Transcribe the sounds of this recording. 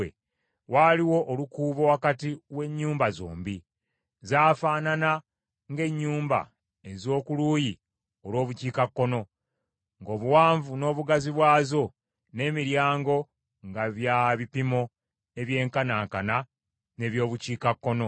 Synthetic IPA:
ḛ | waːliwo̞ʔːlukuːβowakatiwe̞ɲːuːmbazo̰ːmbi | zaːfaːnana | ŋɡe̞ɲːuːmba̰ | ezo̞ːkuluji | o̞lwo̞ːβuciːkakːo̞no̞ | ŋɡo̞ːβuwaːɱvuno̞ːβuɡaziβwaːzo̞ | ne̞ːmiɾjaːŋɡo̞ | ŋɡaβjaβipimo̞ | e̞βje̞ːŋkanaːŋkana | ne̞βjo̞ːβuciːkakːo̞no̞

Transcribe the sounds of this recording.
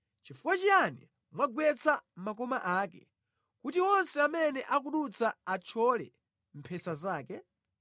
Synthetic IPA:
t͡ʃifukwat͡ʃijani | mwaɡwɛt͡sam̩makɔmaʔaːkɛ̰ | kutiɔnsɛamɛnɛʔak̬uɗut͡saat͡ʃʰɔlɛ̰ | m̩pʰɛsazaːkɛ

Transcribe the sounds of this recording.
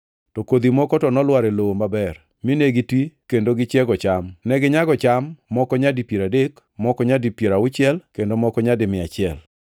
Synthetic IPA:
tɔkod̪imɔkɔtɔnɔlwaɾeloomabɛr | mineɡitwikendoɡɪt͡ʃɛɡɔt͡ʃamnɛɡɪɲaɡɔt͡ʃamːɔkɔɲadipjeɾadek | mɔkɔɲadipjeɾaʊt͡ʃɪɛlkendomɔkɔɲadɪmɪat͡ʃɪɛl

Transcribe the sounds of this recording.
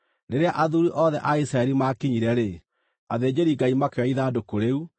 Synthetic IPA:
neɾeaʔaðuɾiʔɔðɛʔaisɾaɛɾimakiɲiɾɛɾe | aðeːd͡ʑeɾiɡaimakeaiðadokoɾeu

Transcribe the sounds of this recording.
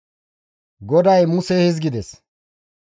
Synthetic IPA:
ɡɔd̪ɐjmʊsɛhɪzɡɪd̪ɛs

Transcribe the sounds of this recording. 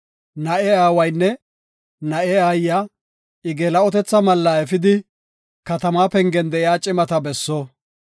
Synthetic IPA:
nɐʔɛaːwɐjnːɛ | nɐʔɛaːjːa | ɪɡeːlɐɔt̪ɛt͡sːɐmɐlːɐɛfɪd̪ɪ | kɐt̪ɐmaːpɛŋɡɛnd̪ɛʔɪjaːt͡ʃʼɪmɐt̪ɐbɛsːɔ

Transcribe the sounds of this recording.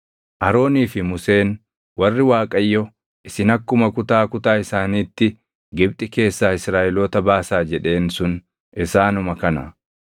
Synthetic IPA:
ʔɐɾo̞ːniːfɪmʊse̞ːn | wɐrːɪwaːkʼɐjːɔ | ʔɪsɪnɐkːʊmɐkʊt̪aːkʊt̪aːɪsaːniːt̪ːɪ | ɡɪbt̪ʼɪke̞ːsːaːɪsɾaːʔɛloːt̪ɐbaːsaːd͡ʒɛᶑe̞ːnsʊn | ʔɪsaːnʊmɐkɐnɐ̰

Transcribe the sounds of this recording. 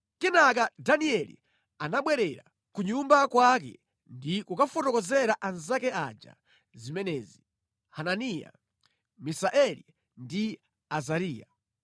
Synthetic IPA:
kɛnak̬adaniɛlḭ | anaɓwɛɾɛɾa | kuɲumbakwak̬ɛ̰ | ndikukafɔtɔkɔzɛɾaʔanzakɛad͡ʒa̰ | zimɛnɛːzi | hananija̰ | misaʔɛlḭ | ndi | azaɾiːja̰

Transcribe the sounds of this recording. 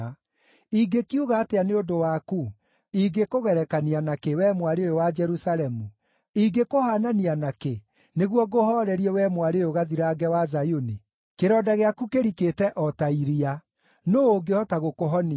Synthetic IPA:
iɡekijuɣaːteaneodowaku | iɡekoɣɛɾɛkanianakewɛmwaɾeojowad͡ʒɛɾusaɾɛmu | iɡekohananianake | neɣwɔɡohɔɾɛɾiɛwɛmwaɾeojoɣaðiɾaɡɛwazajoni | keɾɔːdaɣeakukeɾiketɛʔɔtaiɾia | noːɡeɔtaɣokoɦɔni

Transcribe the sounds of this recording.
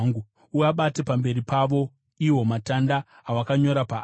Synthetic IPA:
ŋɡu | uaɓate̞pambe̞ɾipaʋo̞ | iwo̞matandaː | wakaɲo̞ɾapa

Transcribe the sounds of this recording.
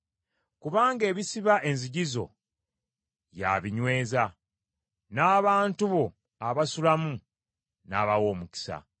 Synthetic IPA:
kuβaːŋɡe̞ːβisiβaʔe̞nziɟizo̞̰ | ja̰βiɲwe̞ːza | naːβaːntuβo̞ | aβasulamu | naːβawo̞ːmuki̥sa̰

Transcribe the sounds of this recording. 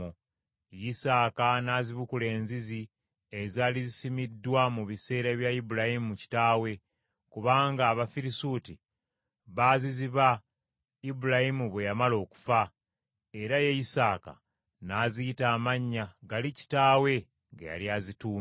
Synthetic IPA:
jisaːkanaːziβukule̞ːnzizi | ezaːlizisimidːwamuβise̞ːɾaβjaibuɾahimumuci̥taːwe̞ | kuβaːŋɡaːβafiɾisuti | βaːziziβa | ibuɾahimuβwe̞jamalo̞ːku̥fa | e̞ɾajejisaːka̰ | naːziitaːmaɲːaɡalici̥taːwe̞ | ŋɡḛja̰liazituːm

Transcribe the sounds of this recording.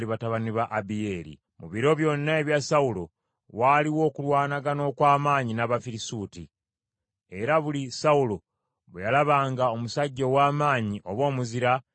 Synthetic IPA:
liβataβaniβaʔabije̞ɾḭ | muβiɾo̞βjo̞nːaeβjasaulo̞ | waːliwo̞ːkulwaːnaɡano̞ːkwaːmaːɲinaβafiɾisuti | e̞ɾaβulisaulo̞ | βejalaβaːŋɡao̞musaɟːo̞waːmaːɲiʔo̞βwo̞ːmuziɾa

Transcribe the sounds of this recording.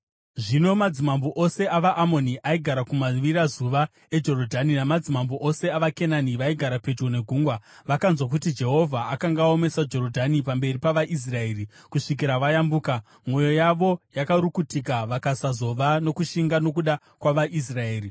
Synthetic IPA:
ʐino̞mad͡zimamboʔo̞se̞aʋaʔamo̞niʔaiɡʱaɾakumaʋiɾazuʋa | e̞d͡ʒo̞ɾo̞dʱaninamad͡zimamboʔo̞se̞aʋake̞naniʋaiɡʱaɾape̞trone̞ɡʱuːŋɡwa | ʋakanzwak̬utid͡ʒe̞ɦo̞vʱaakaŋɡao̞me̞sad͡ʒo̞ɾo̞dʱanipambe̞ripaʋaʔis̬rae̞ːrikuʂik̬iɾaʋajambuːka | mwo̞jo̞jaʋo̞jakaɾukutikaʋakasazo̞ʋano̞kuʃiŋɡano̞kuɗa | kwaʋaʔis̬rae̞ːri

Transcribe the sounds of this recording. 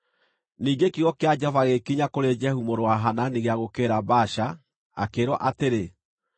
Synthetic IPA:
niːɡekiɣɔkead͡ʒavaɣekiɲakoɾed͡ʒɛhumoɾwaɦananiɣeaɣokeɾabaʃa | a̰keɾwɔ̰ʔateɾe

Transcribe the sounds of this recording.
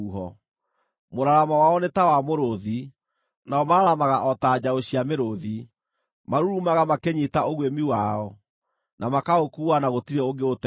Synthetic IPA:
uɦɔ | moɾaɾamawaɔnetawamoɾoði | naɔmaɾaɾamaɣaʔɔtad͡ʑaoɕiameɾoði | maɾuɾumaɣamakeɲitaoɣwemiwaɔ | namakaokuːwanaɣotiɾɛoɡeot

